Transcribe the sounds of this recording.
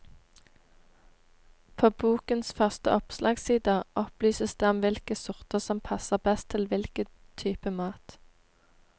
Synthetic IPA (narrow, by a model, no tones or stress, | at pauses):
pʰoːbuːkənsfœʁst̪əʔɔpslʔɑːɡsiːd̪əʔɔplyːsəsd̪̥ɛɔmʋɪlkəsʊʁt̪əʁsɔmpʰɑsəʁbɛst̪ʰɪlʋɪlkə | t̪ʰyːpəmɑːt̪